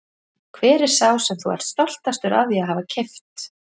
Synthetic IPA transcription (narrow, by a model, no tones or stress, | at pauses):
kʰvɛːɾɪɾ̥saːwsɛmθṵa̰ɾ̥t̪st̪ɔl̥t̪ast̪ʏɾʔa̰ðiaɦavacʰɛft̪